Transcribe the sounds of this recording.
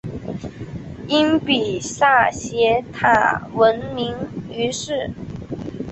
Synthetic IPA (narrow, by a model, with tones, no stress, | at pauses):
i˥npi˨˩ɕa˥˩ɕjɛ˧˥t̪ʰa̰˨˩wə˧˥nmi˧˥ŋy˧˥ʂɻ̩˥˩